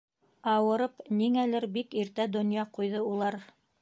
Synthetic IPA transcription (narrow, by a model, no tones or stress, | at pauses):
ɑwɤ̆ɾɤpniŋælɘɾbikiɾt̪æd̪ŏnjɑqujðɤulˠɑɾ